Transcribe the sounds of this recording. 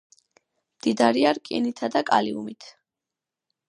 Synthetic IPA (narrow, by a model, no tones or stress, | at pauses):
md̪̥id̪aɾiaɾkʼinit̪ʰad̪akʼa̰liumit̪ʰ